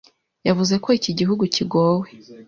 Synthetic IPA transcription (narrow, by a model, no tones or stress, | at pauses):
javuze̞ko̞iciɟiɦuɡuciɡo̞we̞